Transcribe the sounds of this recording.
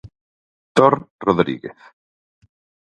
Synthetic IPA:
d̪̥ɔɾrɔðɾḭɡɛ̰θ

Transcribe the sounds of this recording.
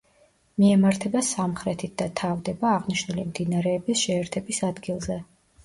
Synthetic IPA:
miɛmaɾt̪ʰɛbasamχɾɛt̪ʰit̪̚d̪̥at̪ʰavd̪ɛbaːʁniʃnulimd̪inaɾɛːbisʃɛːɾt̪ʰɛbisad̪ɡilˠzɛ

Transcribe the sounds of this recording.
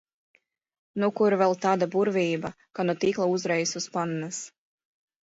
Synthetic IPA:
nukuɾvɛlˠt̪aːd̪abuɾvʲiːba | kanut̪iːklˠauzɾɛjsuspannas

